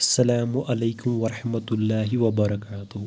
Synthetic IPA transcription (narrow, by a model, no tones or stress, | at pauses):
ɐsːɐlaːmʊʔalejkʊmwɐɾˤɑħmɐt̪lːaːɦɪwɐbɐɾˤɑkaːt̪ʊh